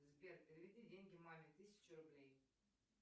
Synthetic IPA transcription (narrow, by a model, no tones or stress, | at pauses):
zbʲer̚pʲɪɾʲɪvʲɪdʲidʲenʲɡʲɪmamʲɪt̪ɨsʲɪ̥t͡ɕɪɾʊblʲej